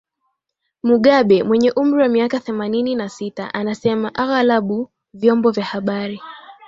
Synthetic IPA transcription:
muɠaɓɛmwɛɲɛʔum̩ɾiwamiakaθɛmanininasita̰ʔanasɛmaʔaɣalaɓu | vjɔmbɔvjahaɓaɾi

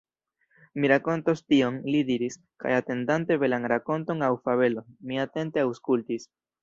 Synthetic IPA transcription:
miɾako̞ntostio̞nlidiɾis | ka̰jate̞ndante̞ve̞lanɾako̞nto̞ŋawfaβe̞lo̞nmiate̞nte̞awskultis

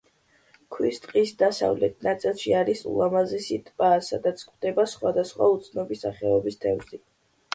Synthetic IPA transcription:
kʰwist̪ʼqʼisd̪asa̰vlɛt̪ʰnat̪sʼilˠʃiaɾisṵlˠamazisit̪ʼpʼaːsad̪at̪sʰkʼʰvd̪ɛbasχwad̪asχwa̰ut̪sʰnɔbisaχɛɔbist̪ʰɛvzi

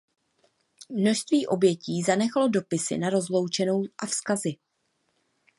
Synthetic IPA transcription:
mno̞ʃst̪viːʔo̞bjɛciːzanɛxlo̞do̞pɪsɪ̰naɾo̞zlo̞wt͡ʃɛno̞wʔafskazɪ

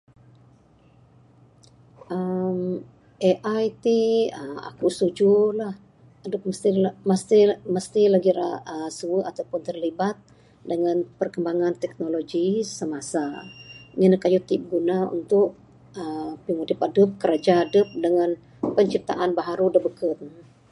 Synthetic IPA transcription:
ʔəm | ʔeʔajt̪iəma̰kust̪ud͡ʒulah | adəp̚məst̪iməst̪iməst̪ilaɡiɾaəsuəat̪awpʊnt̪ərlibat̪̚ | dəŋanpərkəmbaŋant̪ɛk̚noloɡisəmasa | ɲinəkajut̪ɪp̚ɡunaṵnt̪ʊʔ | əpimodɪpadəp̚kəɾad͡ʒaːdəp̚dəŋan | pəɲt͡ʃip̚t̪a̰ʔanbaɦaɾudəbəkət̪̚

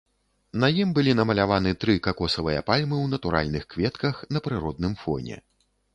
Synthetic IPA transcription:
nɐjimbɨlʲinɐmɐlʲavanɨt̪ɾɨkakɔsɐvɨjɐ̰palʲmɨwnɐt̪uɾa̰lʲnɨxkvʲɛt̪kɐxnɐpɾɨɾɔd̪nɨmfɔ̰nʲɛ̰

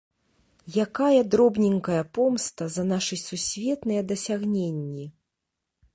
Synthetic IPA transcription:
jakajɐd̪ɾɔbnʲiŋkɐjɐpɔmst̪ɐzɐn̪aʂɨjsusʲvʲɛt̪nɨjɐd̪ɐsʲaɣnʲenʲːi

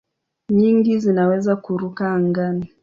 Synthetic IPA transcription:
ɲiŋɡizinawɛzakuɾukaːŋɡani

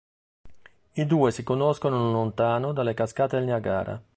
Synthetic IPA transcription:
id̪uːesikonoskonolont̪aːnod̪alːekaskaːt̪ed̪elnaɡa̰ːɾa̰

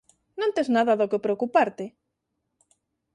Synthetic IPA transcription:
nõnt̪eznaðaðokepɾeokupaɾt̪e

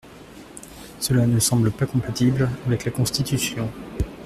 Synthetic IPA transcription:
səlanəsɑ̃bləpakɔ̃pat̪iblavɛklakɔ̃st̪it̪ysjɔ̃

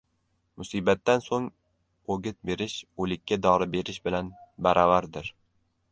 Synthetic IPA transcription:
mʊsiːbat̪ːansoŋ | oɡʲɪt̪̚be̞ɾɪʃolɪkʲːad̪ɒɾɪbe̞ɾɪʃbɪlanbaɾʔɒvaɾd̪ɪɾ

